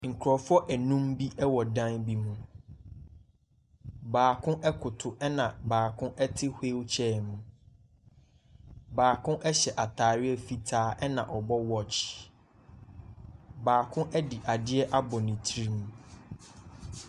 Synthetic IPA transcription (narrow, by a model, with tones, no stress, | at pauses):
ŋ̩˨kʰʊ˨ɾɔ˨fʊ˦ɔ˦ʔæ˨nũ˦mbi˦ʔɛ˦wɔ˨dã˦nbi˦mũ˨ | baː˨kʰʊ̃˦ʔɛ˦kʰʊ˨tʰʊ˨ʔɛ˦nã˨baː˨kʰʊ̃˦ʔɛ˦tʰɪ˦hʷe˦wt͡ɕʰɛː˦˨mũ˨ | baː˨kʰʊ̃˦ʔɛ˦ɕɛ˨ʔa˨tʰaː˨ɾɪ˦ɛ˦fi˦tʰaː˦ʔɛ˦nã̰˨ʔɔ˨bɔ˦wɔ˦t͡ɕʰ | baː˨kʰʊ̃˦ʔɛ˦di˨ʔa˨dɪ˦ɛ˦ʔa˦bɔ˨nɪ̃˨tʰi˦ɾi˦mũ˨